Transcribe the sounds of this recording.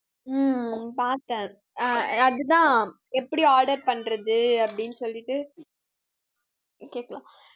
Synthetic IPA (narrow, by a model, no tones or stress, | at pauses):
paːɾt̪ɛ̃ː | ɐðɯt̪̬ãː | ɛpːɐɽiaːɾɖɐɾpɐɳːɾɐðɯɐpːɐɽɪnːɯsɔlːɪʈːɯ | keːkɐɭãː